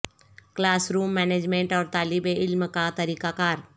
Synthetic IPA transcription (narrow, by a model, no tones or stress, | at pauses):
klaːsɾuːmːɛːneːd͡ʒmẽɳʈɔːɾt̪aːlɪbeɪlmkat̪ɐɾiːkakaːɾ